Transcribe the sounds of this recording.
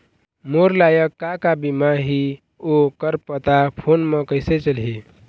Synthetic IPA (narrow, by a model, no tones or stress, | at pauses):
moɾlajəkːakabimaɦi | okəɾpət̪apʰonmekəset͡ʃəlɦe